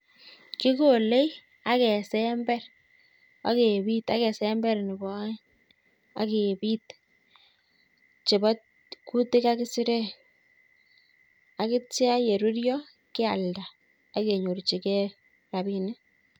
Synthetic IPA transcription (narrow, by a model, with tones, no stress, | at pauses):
ki˦ko˨le˦j | a˦kɛ˨sɛ˦mbɛ˦r | a̰˦ke˨bi˦ta˦kɛ˨sɛ˦mbɛ˦ɾnɪ˨bɔ˦ | a̰˨˦ke˨bi˦t | t͡ʃe˨bɔ˦ | ku˦tɪ˦ka˦kɪ˦sɪ˦ɾe˦ | a˨kɪ˦tja˦je˨ɾu˦ɾjɔ˦ | kɪ˦a˨lda˨ | a˦ke˨ɲo˨ɾt͡ʃi˨kɛ˦ | ɾa˨bi˦ne˦